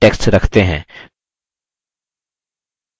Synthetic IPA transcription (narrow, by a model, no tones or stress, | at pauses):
ʈeːksʈɾɐkʰt̪eɦɛ̰̃ː